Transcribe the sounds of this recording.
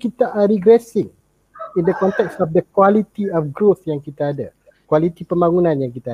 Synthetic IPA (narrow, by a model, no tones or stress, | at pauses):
kit̪aʔɾiɡɾɛsɪŋ | indəkɔnt̪ɛksɔfdəkwalit̪iɔfɡɾuθjaŋkit̪aːda | kwalit̪ipəmbaŋunãnjaŋkit̪a